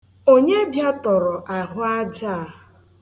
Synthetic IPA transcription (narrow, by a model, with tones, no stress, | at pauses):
o˦ɲe˦bja˦tɔ˨ɾɔ˨ʔa˨ɦʊ˦a˦d͡ʒa˦˨